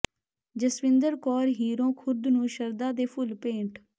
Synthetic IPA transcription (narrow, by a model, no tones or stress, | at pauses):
d͡ʒəsʋɪ̃nd̪əɾkɔːɾɦiːɾõːkʰʊɾd̪nũːʃəɾd̪aːd̪eːpʰʊlpẽːɳʈʰ